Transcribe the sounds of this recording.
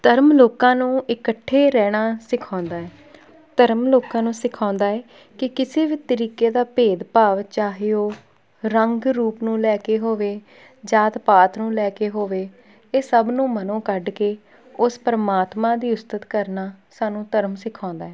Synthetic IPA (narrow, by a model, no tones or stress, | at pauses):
t̪əɾmloːkãːnũːɪkəʈʰːeːɾɛːɽ̃aːsɪkʰãːnd̪aːɛː | t̪əɾmloːkãːnũːsɪkʰãːnd̪aːɛː | kɪkɪseːbiːt̪əɾiːkeːd̪aːpeːd̪paːʋt͡ʃaːɦeoː | ɾəŋɡɾuːpnũːlɛːkeːɦoːʋeː | d͡ʒaːt̪paːt̪nũːlɛːkeːɦoːʋeː | eːsəbnũːmənõːkəɖkeː | ʊspəɾmaːt̪mãːd̪iːʊst̪ət̪kəɾnaːsaːnũːt̪əɾmsɪkʰãːnd̪aːɛː